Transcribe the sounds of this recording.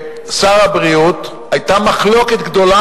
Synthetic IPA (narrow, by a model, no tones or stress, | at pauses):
saʁabʁiut̪ | ajt̪amaχlo̞ket̪ɡd̪o̞la